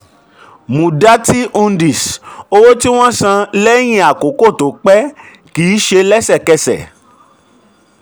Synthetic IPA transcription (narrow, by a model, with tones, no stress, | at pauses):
mũ˨da˦ti˦ʔũ˧n˦di˨so˧wo˦ti˦w̃ɔ̃˦sã˧lɛ˦j̃ĩ˧a˨ko˨˦ko˦˨to˨˦k͡pɛ˦ | kiː˨˦ʃe˧lɛ˦sɛ˦˨kɛ˧sɛ̰˨